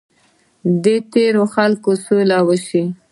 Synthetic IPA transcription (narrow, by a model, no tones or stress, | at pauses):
d̪et̪eɾoxalkosolawəʃi